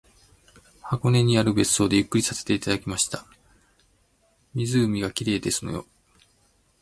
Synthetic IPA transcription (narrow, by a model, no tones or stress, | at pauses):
hako̞ne̞ɲ̟iaɾɯ̟be̞sɨ̥so̞ːd̪e̞jɯ̟kːɯɾʲisase̥t̪e̞it̪ad̪akʲimaɕi̥t̪a | mʲizɨːmʲiɡakʲiɾe̞ːd̪e̞sɨno̞jo̞̰